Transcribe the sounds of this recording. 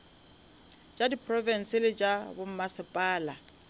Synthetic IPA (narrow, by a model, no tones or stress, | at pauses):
t͡ʃʼadipʰrɔvɛn̩sɪlɪt͡ʃʼabʊm̩masɪpʼaːla